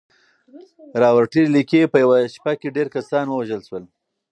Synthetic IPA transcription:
ɾɑwaɾʈilikepəjawaʃpakeɖeɾkasɑnwəwaʒəlʃwəl

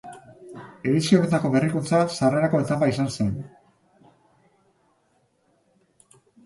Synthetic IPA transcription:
e̞ðisioɾet̪ako̞βe̞rikunt͡sasare̞ɾako̞et̪ambaisanse̞n

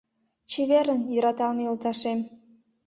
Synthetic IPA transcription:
t͡ɕeβeɾənjəɾɑt̪ɑlmeolt̪ɑʃem

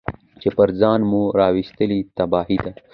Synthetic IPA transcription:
t͡ʃepɐɾzaːnmũɾaːwist̪əlit̪ɐbaːɦid̪a

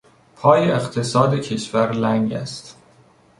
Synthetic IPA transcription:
pʰɒːjeeχt̪ʰe̞sɒːd̪ecʰe̞ʃvæɾlæŋɟæ̰st̪

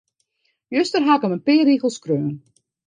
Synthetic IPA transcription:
jøstərɦakəmənpɪːriɣəlˠskrøːn

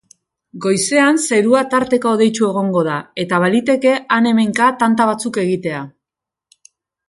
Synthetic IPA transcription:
ɡo̞jse̞anseɾuat̪aɾt̪e̞kaoðe̞jt͡ʃue̞ɣ̞o̞ŋɡo̞ð̞ae̞t̪aβalit̪e̞ke̞ane̞me̞ŋkat̪ant̪aβ̞at͡suke̞ɣ̞it̪e̞a

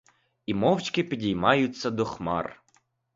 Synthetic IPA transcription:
imɔwt͡ʃkɪpʲidʲijmɑjʊt͡sʲːɐd̪ɔxmɑ̰r

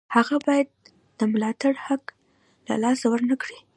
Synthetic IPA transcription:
haɣabɑjad̪̥̚ː | əmʊlɑt̪aɽhak | la̰lɑsawəɾnakɽi

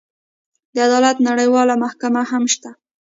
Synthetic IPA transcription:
d̪əad̪ɑlat̪naɽəjwɑlamahkamahamʃt̪a

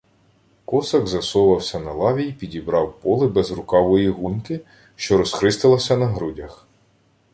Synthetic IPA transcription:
kɔsɐɡzɐsɔʋɐwsʲɐnɐlˠɑʋʲipʲidʲibɾɑwpɔlˠɪbɛzrʊkɑʋɔjiɦunkɪ | ʃt͡ʃɔɾɔsxɾɪst̪ɪlˠɐsʲɐnɐɦɾudʲɐx

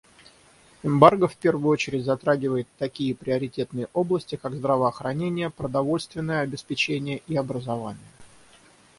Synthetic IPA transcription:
ɪmbarɡəfpʲe̞rvʊjʊot͡ɕɪɾʲɪtʲzɐt̪ɾaɡʲɪvəjɪt̪ːɐkʲijəpɾʲɪɐɾʲɪtʲe̞t̪nɨjəʔo̞blˠəsʲtʲɪkaɡzd̪ɾəvəːxɾɐnʲenʲɪjəpɾəd̪ɐvo̞lʲst̪vʲɪnːəjəɐbʲɪspʲɪt͡ɕenʲɪjəʔiɐbɾəzɐvanʲɪjə

